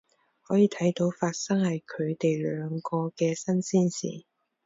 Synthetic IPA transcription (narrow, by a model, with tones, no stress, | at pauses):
hɔː˨˥jiː˨˧t̪ʰɐ˨˥jt̪o˨˥wfaː˧t̚sɐ˥ŋhɐ˨jkʰɵ˨˧ɥt̪e˨jlœː˨˧ŋkɔː˧kɛː˧sɐ˥nsiː˥nsḭː˨˩